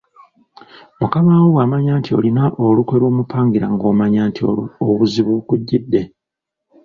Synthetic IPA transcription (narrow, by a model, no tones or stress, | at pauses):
mukamawoβwaːmaɲaːntio̞̰linaʔolukwe̞ɾo̞ːmupʰaːŋɡiɾa̰ŋɡo̞ːmaɲaːntʰioβuziβukuɟːidːe̞